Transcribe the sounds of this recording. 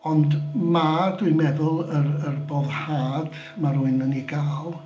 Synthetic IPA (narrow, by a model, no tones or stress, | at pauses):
ɔndmadʊɨmɛðʊlˠərərboːðhaːd̥ | marʊɨnəniɡaːlˠ